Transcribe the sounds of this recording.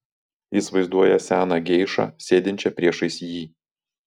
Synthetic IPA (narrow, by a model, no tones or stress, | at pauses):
ɪsʋɐɪzd̪uɔjɛsʲæːnɑɡʲɛɪʃɑ̰sʲeːd̪ʲɪnʲt͡ʃʲɛpʲɾʲiɛʃɐɪsʲjiː